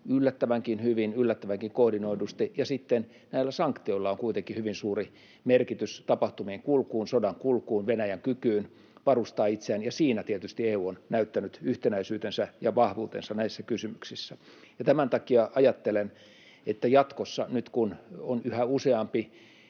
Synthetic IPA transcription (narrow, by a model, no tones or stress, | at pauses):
ylːæt̪ːæʋæŋkinhyʋinylːæt̪ːæʋæŋkiŋkohdinoidust̪ijɑsit̪ːen | næilːæsɑŋkt̪ioilːɑoŋkuit̪eŋkihyʋinsuːri | merkit̪yst̪ɑpɑht̪umieŋkulkuːnsodɑŋkulkuːnʋenæjæŋkykyːn | ʋɑrust̪ɑːit̪seæːnjɑsiːnæt̪iet̪yst̪ieːuːonnæyt̪ːænyt̪yht̪enæisyːt̪ensæjɑʋɑhʋuːt̪ḛnsɑnæisːækysymyksisːæ | jɑt̪æmænt̪ɑkiɑʔɑjɑt̪ːelen | et̪ːæjɑt̪kosːɑnyt̪kunonyhæuseɑmpi